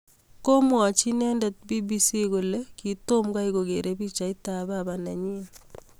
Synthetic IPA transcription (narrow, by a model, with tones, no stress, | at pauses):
ko˦mwa˨t͡ʃi˦nɛ˦ndɛ˨t̚bi˦bi˦si˦ko˨le˦ki˨to˦mɡa˦iko˨ɡe˨ɾe˦bi˦t͡ʃa˨i˦ta˨babana˨ɲi˦n